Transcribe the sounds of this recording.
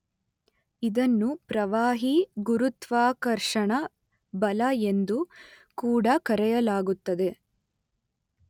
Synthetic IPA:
id̪ɐnːupɾɐʋaːɦiɡuɾut̪ʋaːkɐɾʂɐɳɐ | bɐlɐe̞nd̪u | kuːɽɐkɐɾɛjɐlaːɡut̪ːɐd̪e̞

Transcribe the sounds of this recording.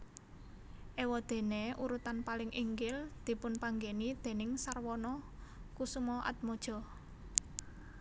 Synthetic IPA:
ʔewɔd̪̥e̤neuɾut̪anpalɪŋʔiŋɡɪld̪̥i̤pʊnpaŋɡenid̪̥e̤nɪŋsarwɔnɔkusumɔʔa̰t̪̚mɔd̥ʒ̥ɔ̤

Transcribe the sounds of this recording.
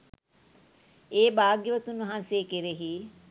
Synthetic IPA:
eːbaːɡjəʋət̪unʋɐɦanseːkiɾeɦi

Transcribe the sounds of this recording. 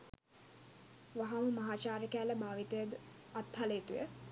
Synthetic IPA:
ʋaɦaməmɐɦaːt͡ʃaːɾəkæːləbʱaːʋit̪əjəd̪ | at̪haleːt̪ujə

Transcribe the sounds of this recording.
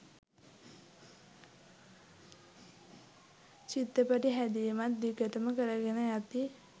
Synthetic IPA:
t͡ʃit̪ːəpəʈiɦæd̪ijəmat̪̚d̪ikəʈəməkəɾəɡenəjat̪i

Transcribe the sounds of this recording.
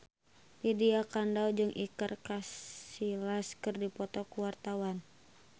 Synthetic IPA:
lidiakandawd͡ʒɨŋʔikərkasilaskɨrdipɔt̪ɔkuwart̪awan

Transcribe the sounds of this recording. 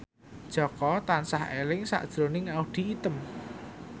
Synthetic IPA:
d̥ʒ̥ɔ̤kɔt̪ansahelɪŋsa̰ʔd̥ʒ̥ɾo̤nɪŋaʊhd̪̥i̤ːt̪əm

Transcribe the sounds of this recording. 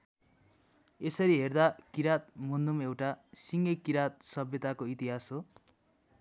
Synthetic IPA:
esʌɾiɦerd̪akiɾat̪̚mund̪umewʈasiŋɡekiɾat̪̚sʌbjʌt̪akoit̪iɦasɦo

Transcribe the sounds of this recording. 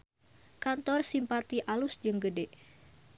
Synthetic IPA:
kant̪ɔrsimpat̪iʔalusd͡ʒɨŋɡədɛ

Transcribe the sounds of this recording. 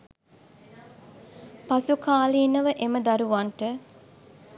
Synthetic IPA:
pasukaːliːnəʋəʔeməd̪aɾuʋaɳʈə

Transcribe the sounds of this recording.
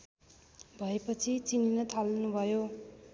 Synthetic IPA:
bʱʌepʌt͡sʰit͡sininʌt̪ʰʌlnubʱʌjo

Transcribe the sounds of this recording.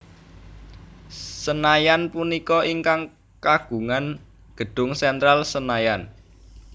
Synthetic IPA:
sənajanpunikɔiŋkaŋ | kaɡ̥ṳŋan | ɡ̥ə̤ɖ̥ʊ̤ŋsɛnt̪ɾalsənajan

